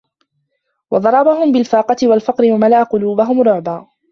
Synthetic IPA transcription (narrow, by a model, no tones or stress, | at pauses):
wɑd̪ˤɑɾˤɑːbaɦʊmbɪlfɑːqɑt̪ɪwalfɑqɾɪwamalaːqʊluːbaɦʊmɾʊʕbaː